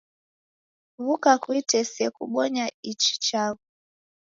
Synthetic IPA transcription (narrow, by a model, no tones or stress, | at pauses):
vukakwitɛsɛkuɓɔɲait͡ʃi̥t͡ʃaɣu